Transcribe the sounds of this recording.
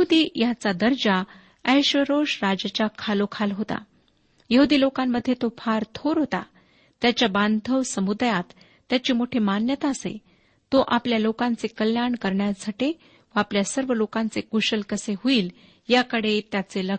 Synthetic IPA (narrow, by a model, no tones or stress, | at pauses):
jəɦud̪iːjat͡sad̪əɾd͡ʑa | əjɕʋəɾoʂɾad͡ʑət͡ɕakʰalokʰalɦot̪a̰ | jəɦud̪iːlokamːəd̪ʱːjet̪ofaɾt̪ʰoɾɦot̪a̰ | t̪jat͡ɕjaband̪ʱəʋsəmud̪jat̪ː | jat͡ɕiːmoʈʰiːmanjət̪aəsḛ | t̪oʔapljalokãnt͡sekəljaɳkəɾɳjasaʈe | ʋəapljasəɾʋəlokãnt͡sekuɕəlkəseɦuiːl | jakəɽet̪jat͡selə